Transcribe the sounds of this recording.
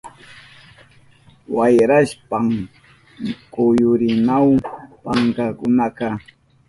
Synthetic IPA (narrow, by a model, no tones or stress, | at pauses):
wajɾaʃpam | kʊjʊɾɪnawpaŋkakʊnaka